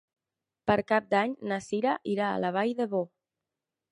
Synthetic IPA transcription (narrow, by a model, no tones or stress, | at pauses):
pəɾkap̚d̪aɲnasiɾaʔiɾa̰ːlaβ̞ajðəβo